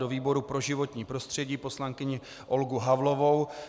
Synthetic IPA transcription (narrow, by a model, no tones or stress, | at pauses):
do̞viːbo̞ɾupɾo̞ʒɪvo̞t̪ɲiːpɾo̞st̪r̝̥ɛɟiːpo̞slaŋkɪɲɪ | ʔo̞lɡuɦavlo̞vo̞w